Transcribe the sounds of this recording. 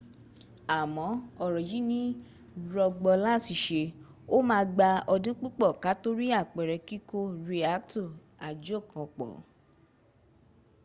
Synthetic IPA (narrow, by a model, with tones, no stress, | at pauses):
a˨mɔ̃˨˦ɔ˦˨ɾɔ˨ji˨˦nĩ˦ | ɾɔ˧ɡ͡bɔ˧la˦˨si˨ʃe˧ | o˦mãː˦˧ɡ͡ba˧ɔ˧dĩ˦k͡pu˦k͡pɔ˦˨ka˨˦to˦ɾi˦a˦˨k͡pɛ˨ɾɛ˧ki˦ko˦ɾi˧a˦k̚tu˦˨ | a˨d͡ʒo˦˨kɔ̃˧˨k͡pɔ̰˨